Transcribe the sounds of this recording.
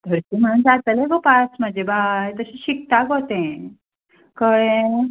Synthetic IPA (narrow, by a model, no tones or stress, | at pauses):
d̪̥ʱəɾtiːm̤əɽ̃uːnd͡zat̪əleɡopasməd͡ʑebaet̪əɕiɕik̚t̪aɡʱot̪ẽ | kəɭẽ